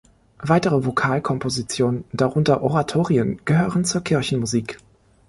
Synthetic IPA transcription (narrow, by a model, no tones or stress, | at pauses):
vaɪtəʁəvokʰaːlkʰɔmpʰozit͡sjoːnənndaʁʊntɐʔoʁatʰoːʁiənɡ̥əɦøːʁənt͡suːɐkʰɪɐçn̩muziːk